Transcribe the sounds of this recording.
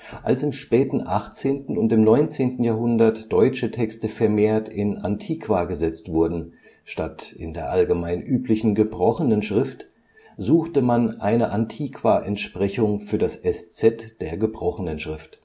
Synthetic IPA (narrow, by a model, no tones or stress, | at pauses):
ʔalsɪmʃpɛːtn̩ʔaχt͡seːntn̩ʊntɪmnɔʏnt͡seːntn̩jaːhɦʊndɐtd̥ɔʏt͡ʃətʰɛkstəfɛɐmeːɐtʰɪna̰ntʰiːkʰv̥aːɡəzɛt͡stv̥ʊɐdn̩ | ʃtatʔɪ̰ndeːɐʔalɡəmaɪnʔyːplɪçn̩ɡəbʁɔχənənʃʁ̥ɪft | zuːxtəmanʔaɪnəʔantʰiːkv̥aːʔɛntʃpʁ̥ɛçʊŋfyːɐdasɛst͡sɛtd̥eːɐɡəbʁɔχənənʃʁ̥ɪft